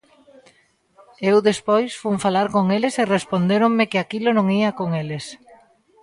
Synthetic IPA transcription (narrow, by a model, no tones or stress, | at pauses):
ewðespojsfuŋfalaɾkoŋelɪserespond̪eɾoŋmɪkɪakilonõŋiɐkoŋeles